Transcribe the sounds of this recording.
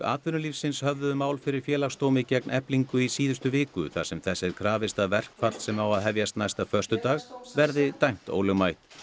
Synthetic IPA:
a̰ːt̪vʏnʏlifsɪnshœvðʏmaːwlfɪɾɪɾ̥fjɛːlaxst̪oːwmɪcɛknɛpliŋkʏisiːðʏst̪ʏvɪːkʏ̰θa̰ɾ̥sɛmθɛsːɛɾkʰɾaːvɪst̪aðvɛr̥kfat̪l̥sɛmawaðɦɛvjast̪najst̪afœr̥st̪ʏt̪aːɣvɛɾðɪt̪ajm̥t̪o̰ːwlɛɣmajht̪

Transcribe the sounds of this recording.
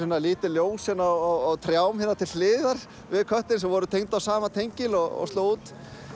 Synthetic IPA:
ɪnːaliːt̪ɪljoːwsɛnːaɔɣt̪ʰɾjawmhɪnːat̪ʰɪlhɪːðaɾ̥ | vɪðkʰœht̪ɪnsɛmvɔɾʏt̪ʰejŋt̪awsaːmat̪ʰejɲcɪlɔɣɔ̰st̪loːwuːt̪

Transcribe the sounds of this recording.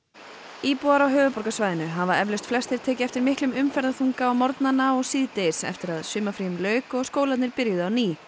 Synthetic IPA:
iːpuaɾawɦœːvʏpɔɾkasvaːjðɪnʏɦavaɛvlʏst̪flɛst̪ɪɾ̥t̪ʰɛːcɪɛft̪ɪɾmɪhklʏmʏmfɛɾðaθuŋkaɔwmɔɾt̪nanaɔɣsiːðt̪ejɪsɛ̰ft̪ɪɾaðsʏmːafɾiːʏmlœːɥkɔɣskoːwlat̪nɪɾpɪɾjʏðʏawniː

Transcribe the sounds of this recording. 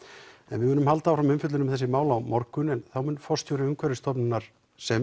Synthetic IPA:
ɛnvɪðmʏːnʏmhalt̪aːwfɾamʏmfʏt̪lʏɪnʏmθɛsːɪmaːwlawmɔɾkʏnɛnθawmʏnfɔ̥st̪jowɾɪʏŋkʰvɛɾɪst̪ʰɔpnɪnːaɾ̥ | sɛm

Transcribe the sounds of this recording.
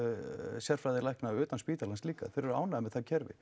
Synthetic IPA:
sjɛɾ̥fɾajðɪlajknaʏːt̪anspiːt̪alanst̪liːka̰θɛɾɛɾa̰wnaðmɛðθacʰɛɾvɪ̰

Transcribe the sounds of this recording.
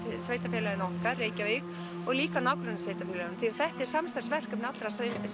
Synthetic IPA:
sveːjt̪afɛlaðɪnɔhkaɾːeːjcavek | ɔɣliːkanaːwkɾʏnːasveːjt̪afɛlanmθiaɾθɛht̪ɛɾ̥samst̪aɾ̥svɛr̥kʏpnat̪ɾas

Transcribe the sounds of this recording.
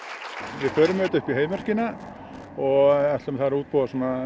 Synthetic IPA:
vɪɾfœːɾʏmɛt̪ʏhpiɦeːjmɛɾ̥cɪna | ɔɣɛht̪lɛmθaðɾuːt̪̚poːðasɔːna

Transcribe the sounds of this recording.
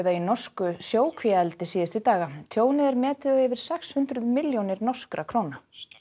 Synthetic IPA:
ðainɔr̥skʏsjoːwkʰviɛlt̪ɪsiːðɪst̪ʏt̪aːɣat̪ʰjoːwnɪðɛɾmɛːt̪ɪeːvɪɾ̥sɛkshʏnt̪ɾʏðmɪljownɪɾnɔr̥skɾakʰɾoːwna

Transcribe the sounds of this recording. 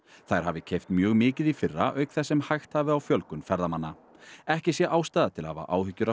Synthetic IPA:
θajɾ̥ɦavɪcʰejft̪mjœːɣmɪːcɪðifɪrːaʔœɥkθɛsːɛmhajxt̪haːvɪawfjœlkʏnfɛɾðamanːa | ɛhcɪsjɛʔaːwst̪aːðat̪ʰɪlhava̰ʔaːwhʏcːʏɾa

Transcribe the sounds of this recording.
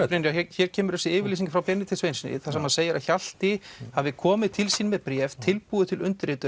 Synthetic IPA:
pɾenːjaɛçɛɾcʰɛːmʏɾðɛsɪɪːvɪɾliːs̬iŋkfɾawpjɛnːɪt̪ʰɪlsvejnsnɪ̰θasɛmaseːjaɾaçal̥t̪ɪhavɪkʰɔːmɪðt̪ʰɪlsiːnmɛðpɾjɛft̪ʰɪlpuːðɪt̪ʰɪlʏnt̪ɾɪːt̪ʏ

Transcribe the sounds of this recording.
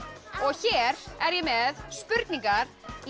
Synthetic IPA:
ɔɣçɛːɾɛɾjɛmɛðspʏɾt̪niŋkaɾ̥

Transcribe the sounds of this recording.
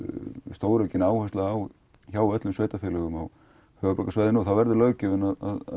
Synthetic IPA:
st̪oːwɾœcɪnaːwhɛst̪laaw | çawœt̪lʏmsveːjt̪afjɛlɛɣʏmaw | hœvapɾɛːkasvaːjðɪnuːθawvɛɾðʏlœːɥcʏvʏnaða̰ð

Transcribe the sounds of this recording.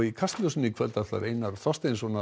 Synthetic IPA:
ikʰast̪lœsʏnikʰvɛlt̪ḁa̰ɾeːjnaɾθɔst̪ejnsvɔːna

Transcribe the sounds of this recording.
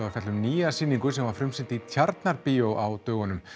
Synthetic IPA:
afɛt̪lʏmniːasiːniŋkʏsɛmvaɾfɾʏmsɪnt̪ɪit̪ʰjaɾt̪naɾpiːjowʔawt̪œːɣʏnʏm

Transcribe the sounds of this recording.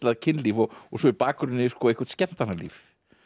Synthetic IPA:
laðcʰɪnliːvɔɔsɔipaːkʏɾɪnːɪskɔejhkvḁt̪scɛn̥t̪anːalḭːf

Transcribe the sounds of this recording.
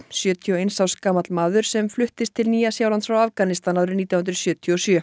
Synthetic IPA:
sjœːt̪ʰiɔejnsawskaːmat̪lmaːðʏɾ̥sɛmflʏht̪ɪst̪ʰɪlniːjasjaːwlant̪sfɾawafkanɪst̪anaðɾʏɾniːt̪jawhʏnt̪ɾʏ̥sjœːt̪ʰiɔɔsjœː

